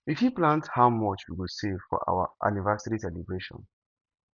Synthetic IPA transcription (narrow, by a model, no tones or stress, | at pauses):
ifhiplãnthaʊmɔt͡ʃwiwisevfɔ̰ʔa̰wa̰ʔa̰nivɛsaɹisɛlibɹeʃɔ̰̃n